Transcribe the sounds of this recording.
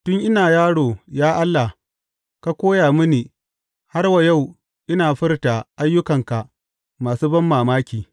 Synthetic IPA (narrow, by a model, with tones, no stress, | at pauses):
tʊ˦ŋʔɪ˦naː˨jaː˦ɽoː˨jaː˦ʔa˦lːa˨ | ka˦kʷoː˦jaː˨mʊ˦niː˨ | ha˦rwa˨ja˦˨w | ʔɪ˦naː˨ɸɪ˦rta˨ʔa˦jːʊ˦kɐ˨ŋka˨ | maː˨suː˦bɐ˦mːaː˨maː˦kʲiː˨